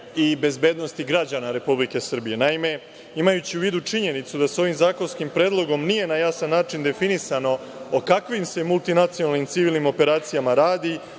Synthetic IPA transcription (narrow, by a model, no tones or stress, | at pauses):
ibe̞zbe̞ːd̪no̞st̪iɡɾad͡ʑanaɾe̞publike̞sr̩bije̞naime̞ | imajut͡ɕiuʋiːd̪ut͡ʂiɲe̞nit̪sud̪aso̞ʋimzaːko̞nskimpɾe̞ːd̪lˠo̞ɡo̞mnijenajasanːaːt͡ʃind̪e̞finisano̞ | okakʋimse̞mulˠt̪inat̪sionalnimt̪siʋiːlnimo̞pe̞ɾaːt̪sijamaɾaːd̪i